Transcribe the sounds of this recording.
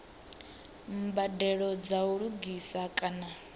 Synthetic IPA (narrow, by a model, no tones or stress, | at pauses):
m̩badɛɺɔd͡zauɺuɡisakʼana